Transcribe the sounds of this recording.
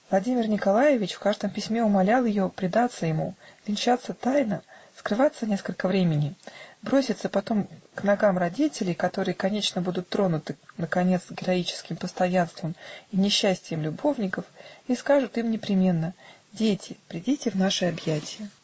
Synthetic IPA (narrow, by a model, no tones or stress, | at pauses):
vlˠɐdʲimʲɪrnʲɪkɐlˠajɪvʲɪt͡ɕfkaʐd̪əmpʲɪsʲmʲe̞ʊmɐlʲalˠjɪjo̞pɾʲɪd̪at̪sːəjɪmuvʲɪnʲt͡ɕat̪sːət̪ajnəskɾɨvat̪sənʲe̞skəlʲkəvɾʲemʲɪnʲɪbɾo̞sʲɪt̪səpɐt̪o̞mknɐɡamrɐdʲitʲɪlʲɪjkɐt̪o̞ɾɨjəkɐnʲet͡ɕnəbud̪ʊt̪ːɾo̞nʊt̪ɨnəkɐnʲe̞t̪sɡʲɪɾɐit͡ɕɪ̥skʲɪmpəst̪ɐjanst̪vəminʲɪɕːæsʲtʲɪjɪmlʲʊbo̞vnʲɪkəfiskaʐɨt̪imnʲɪpɾʲɪmʲe̞nːə | dʲetʲɪpɾʲɪdʲitʲɪvnaʂɨɐbjætʲɪjə